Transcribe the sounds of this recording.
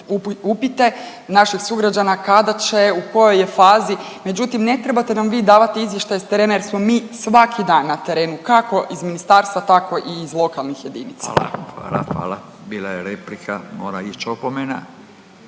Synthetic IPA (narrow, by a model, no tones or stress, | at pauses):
upupit̪e̞ | naʃixsuɡɾad͡ʒanakad̪at͡ɕe̞uko̞jo̞jefaːzi | me̞d͡ʑut̪imne̞t̪ɾebat̪e̞namʋiːd̪aːʋat̪eizjeʃt̪ajest̪eɾe̞ːnajeɾsmo̞miːsʋakʰid̪aːnːat̪e̞ɾe̞ːnukako̞ʔizminist̪aːɾst̪ʋat̪ako̞ʔiːzlˠo̞kalˠnixje̞d̪iːnit̪sḁ̰xa̰ːla̰xʋa̰ːla | biːlˠajeɾeplikʰa̰moːɾait͡ʃopomena̰